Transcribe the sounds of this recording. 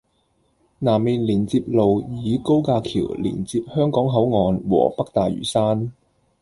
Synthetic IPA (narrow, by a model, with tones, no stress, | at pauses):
naː˨˩mːiː˨nliː˨˩nt͡siː˧p̚lo˨wjiː˨˧ko˥wkaː˧kʰḭː˨˩wlḭː˨˩nt͡siː˧p̚hœː˥ŋkɔː˨˥ŋɦɐ˨˥wŋɔː˨nwɔ̰ː˨˩pɐ˥k̚t̪aː˨jɥy̰ː˨˩saː˥n